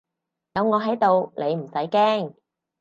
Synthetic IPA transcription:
jɐ˨˧wŋɔː˨˧ɦɐ˨˥jt̪o˨˧wle˨˧jm̩˨˩sɐ˨˥jkɛː˥ŋ

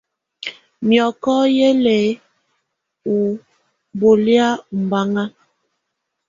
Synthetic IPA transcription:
mjɔ˨kɔ˦je˦lɛ˨ | u˨ | bo˨lja˦u˨m˨ba˦ŋa˦

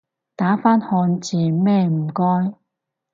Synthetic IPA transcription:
t̪aː˨˥faː˥nhɔː˧nt͡siː˨mɛː˥˧m̩˨˩kɔː˥j

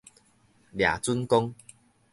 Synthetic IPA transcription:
lja̰˨˩t͡su˦nkɔ˦ŋ

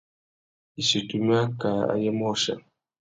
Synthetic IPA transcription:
i˨ʃi˨tu˨m˦a˦ka˨a̰˨jɛ˦mɔ˦ʃa̰˨

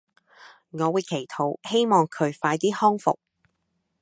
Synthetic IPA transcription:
ŋɔː˨˧wuː˨˧jkʰe˨˩jt̪ʰo˨˥whe˥jmɔː˨ŋkʰɵ˨˧ɥfaː˧jt̪iː˥hɔː˥ŋfʊ̰˨k̚

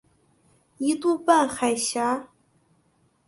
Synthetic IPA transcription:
i˧˥t̪u˥˧pa˥˩nxa˨˩ɪɕja˧˥

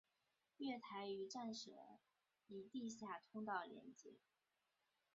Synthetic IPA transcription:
ɥɛ˥˩t̪ʰa˧˥ɪy˧˥ʈ͡ʂa˥˩nʂɤ̰˨˩ | i˨˩t̪i˥˧ɕja˥˩t̪ʰʊ˥ŋt̪ɑ˥˩ʊljɛ̰˧˥nt͡ɕjɛ˧˥

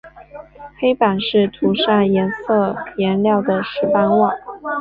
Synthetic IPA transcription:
xe˥ɪpa˨˩nʂɻ̩˥˩t̪ʰu˧˥ʂa˥˩jɛ˧˥nsɤ˥˩jɛ˧˥nljɑ˥˩ʊd̪ə˩ʂɻ̩˧˥pa˥nwɑ˥˩ŋ

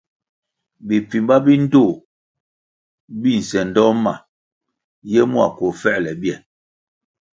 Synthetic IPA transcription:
bi˨pi˨mba˦bi˦n̩˦do˦˨ | bi˦˨n̩˨sɛ˨n̩˨dɔ˦ma̰˨ | jɛ˦mu˦a̰˨ko˨fɛ˦ʔlɛ˨bjɛ˨

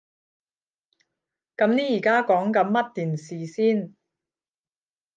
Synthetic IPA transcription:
kɐ˨˥mniː˥jiː˨˩kaː˥kɔː˨˥ŋkɐ˨˧˥nmɐ˥t̚t̪iː˨˩nsiː˨siː˥n

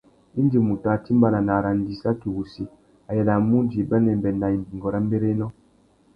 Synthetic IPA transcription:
i˦n˦di˨mu˨ta˨ti˦mba˨na˨na˨ɾa˨n˦di˨sa˦ti˨wu˨si˦ | a˨jɛ˨la˨mu˦di˨ba˦nɛ˨m˨bɛ˨nda˨i˨bi˨ŋɡɔ˨ɾa˦m˦be˦ɾe˦nɔ˦

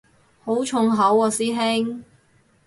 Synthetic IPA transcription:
ho˨˥wt͡ʃʰʊ˧ŋɦɐ˨˥wɔː˨˧siː˥ɦɪ˥ŋ

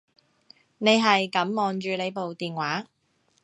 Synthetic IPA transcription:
ne˨˧jɦɐ˨jkɐ˨˥mːɔː˨˩nt͡ʃyː˨˧ne˨˧jpo˨wt̪iː˨nwaː˨˥

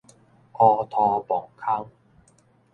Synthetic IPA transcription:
ʔɔː˧t̪ʰɔː˧pɔː˨˩ŋkʰa˥ŋ

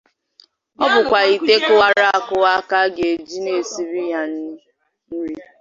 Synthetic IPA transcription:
ɔ˦bʊ˨kʷa˨i˨te˦kʊ˦wa˦ɾa˦a˨kʊ˦wa˦ka˦ɡe˨d͡ʒi˦ne˨si˨ɾi˦ja˦n˦ | n̩˦ɾi˦

